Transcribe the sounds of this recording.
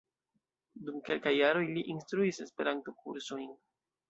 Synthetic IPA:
dumke̞lkajːaɾo̞jliʔinstɾuise̞spe̞ɾanto̞kuɾsojn

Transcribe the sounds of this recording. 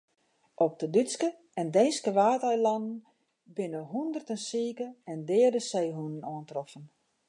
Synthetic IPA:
ɔp̚dədyskə | ɛndɛjnskəʋaːtœjlɑnən | bɪnəɦundərtənsiːkəɛndɪːərdəsejɦunənɔəntrɔfən

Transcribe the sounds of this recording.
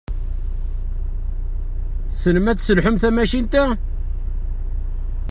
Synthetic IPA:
sələmæt͡sːsəlħʊmθæmæʃint̪æ

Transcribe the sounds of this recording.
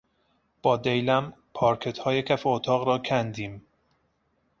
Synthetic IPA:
b̥ɒːd̪ejlæmpʰɒːɾkʰe̞t̪hɒːje̞cʰæfeot̪ʰɒːɣɾɒːcʰænd̪iːm

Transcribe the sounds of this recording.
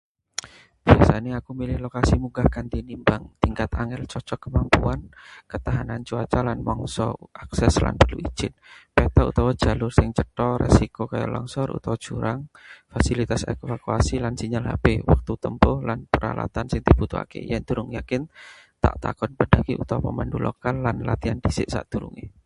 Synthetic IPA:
b̥iasanaakumilɪhlokasimuɡahkant̪inimbaŋt̪iŋkat̪aŋɛlt͡ʃɔt͡ʃɔkːəmampuankət̪aɦanant͡ʃuat͡ʃalanmɔŋsɔ̰ʔaksɛsla̰npərlui̥d͡ʒ̥ɪt̪̚pɛt̪aṵt̪awḁd͡ʒ̥a̤lʊrsɪŋt͡ʃəʈɔrḛsikokaja̰ʔlɔ̰ŋsɔɾṵt̪awḁd͡ʒ̥uɾaŋfasilit̪asḛkefakuasilansiɲalɦapewa̰k̚t̪ut̪əmpʊhlanpəɾa̰la̰t̪ansɪŋd̪ib̥ut̪ua̰kḛjand̪uɾʊŋjakɪnt̪a̰ʔt̪a̰kɔnbədaɡiʔut̪awapəmandulʔɔ̰kanːanlat̪iandisɪʔsa̰ʔd̪̥uɾṵŋi

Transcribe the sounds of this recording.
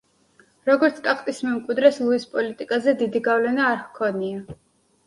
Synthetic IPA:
ɾɔɡɔɾt̪sʰkʼaχʰʼt̪ʼismɛmkʼwid̪ɾɛslˠuispʼɔlit̪ʼikʼazɛd̪id̪iɡavlɛnaːɾhkʰɔnia

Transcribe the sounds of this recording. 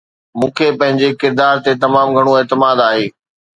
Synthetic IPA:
mũːkʰepɐ̃ɦɪ̃ɲd͡ʑekɪɾd̪aːɾt̪et̪ɐmaːmɡʱɐɽ̃oeːt̪ɪmaːd̪aːɦeː

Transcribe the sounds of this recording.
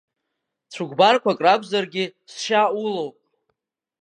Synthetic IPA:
t͡sʷʰuɡʷbarkʷakʼrabʷʰʼzarɡʲɪsʃaulowpʼ

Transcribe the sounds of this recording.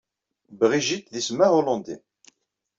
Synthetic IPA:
bʁiʒit̪ðismaɦolɔ̃nd̪i

